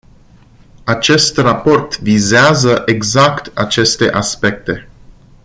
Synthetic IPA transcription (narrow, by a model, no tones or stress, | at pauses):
at͡ʃe̞st̪rapo̞rt̪vizeazəʔe̞ɡzakt̪at͡ʃe̞st̪e̞̰ʔaspe̞k̚t̪e̞